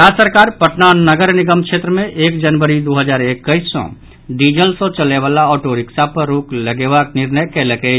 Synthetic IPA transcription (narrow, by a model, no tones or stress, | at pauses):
ɾasəɾkaːɾpəʈnanəɡəɾnɪɡəmkʃʰet̪ɾəmẽʔeːkd͡ʒənʋəɾid̪oɦəd͡ʒaːɾekːəɪsːɔ̰̃ | ɖid͡ʒəlsõt͡ʃəleʋalaɔʈoɾɪksapəɾɾukləɡebaknɪɾnəjkeləke